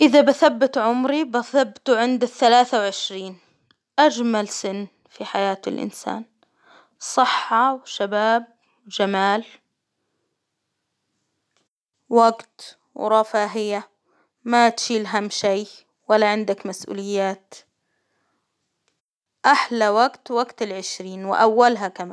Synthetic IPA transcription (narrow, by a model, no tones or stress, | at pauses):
ʔɪðabɪθabːɪt̪ʕʊmɾibaθabːt̪uʕɪnd̪ɪθːalaːθawʕɪʃɾiːn | ʔad͡ʒmalsɪnː | fiħajaːt̪ɪ̰lʔɪ̰nsa̰ːn | sˤɨħːɑwʃabaːb̚ | wd͡ʒamaːl | waɡt̪ | wɾˤɑfaːɦɪja | mat̪ʃiːlɦamːʃij | walːaʕɪnd̪akmasʔṵːlɪjːaːt̪ | ʔaħlawaɡt̪waɡt̪ɪlʕɪʃɾiːnwɪ̰ʔawːalɦakama̰ː